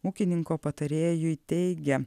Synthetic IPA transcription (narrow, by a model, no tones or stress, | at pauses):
uːkʲɪnʲɪŋkoːpɐt̪ɐɾʲeːjʊɪt̪ʲɛɪɡʲɛ